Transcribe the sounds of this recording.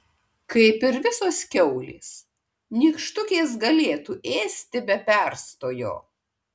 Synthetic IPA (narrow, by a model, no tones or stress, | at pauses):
kɐɪpɪɾʋʲɪsoːskʲɛʊlʲḛːs | nʲiːkʃt̪ʊkʲeːs̬ɡɐlʲeːt̪uːʔeːsʲt̪ʲɪbʲɛpʲɛˑɾst̪oːjo̰ː